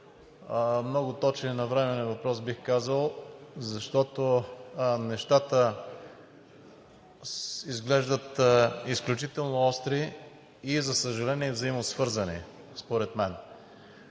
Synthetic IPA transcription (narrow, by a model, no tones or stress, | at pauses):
mnɔɡʊt̪ɔt͡ʃninɐvɾɛmɛnɛvɐpɾɔsbixkazəlˠzɐʃt̪ɔt̪o | nɛʃt̪at̪ə | izɡlɛʒd̪ət̪isklʲut͡ʃit̪ɛlˠnoɔst̪ɾiː | zɐsəʒɐlɛniɛvzɐimosvɤɾzɐnḭ | spoɾɛt̪mɛn